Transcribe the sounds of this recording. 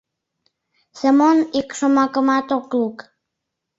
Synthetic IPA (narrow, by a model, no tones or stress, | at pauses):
səmonikʃomɑkəmɑt̪okluk